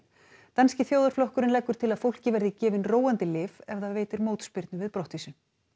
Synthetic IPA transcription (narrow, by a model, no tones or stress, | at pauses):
t̪anscɪθjoːwðʏɾflɔhkʏɾɪnlɛkːʏɾ̥t̪ʰɪlaðfowl̥cɪvɛɾðɪcɛːvɪnroːwant̪ɪlɪːvɛvðaveːjt̪ɪɾmoːwt̪spɪɾt̪nʏvɪðpɾɔht̪isʏ